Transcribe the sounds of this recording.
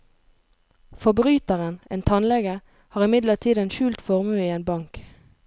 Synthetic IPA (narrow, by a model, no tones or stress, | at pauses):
fɔbʁyːt̪əʁənʔḛːnt̪ʰɑnlɛɡə | hɑːʁɪmɪd̪ləʁt̪ʰiːd̪eːnʃʉːlt̪fɔʁmʉːiːeːnbɑŋk